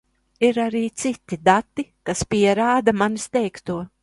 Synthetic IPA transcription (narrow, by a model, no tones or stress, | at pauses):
iɾaɾiːt̪sit̪id̪at̪ːikaspʲiɛɾaːd̪amanist̪ɛjkt̪uɔ